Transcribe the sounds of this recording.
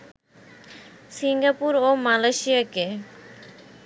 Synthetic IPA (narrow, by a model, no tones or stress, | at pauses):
siŋɡapuɾomalajʃijake